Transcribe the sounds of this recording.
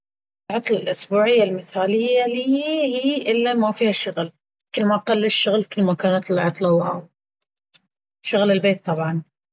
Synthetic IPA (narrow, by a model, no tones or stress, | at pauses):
lʕɑt̪ˤlɑlʔʊsbuːʕɪjːalmɪθaːlɪjːaliːhiːʔɪlːamafiːhaʃʊɣl | kɪlːmaʔqɑlːɪʃːʊɣlkɪlːmakaːnat̪ɪlʕɑt̪ˤlɑwa | ʃʊɣlɪlbeːt̪ˤːɑbʕɑn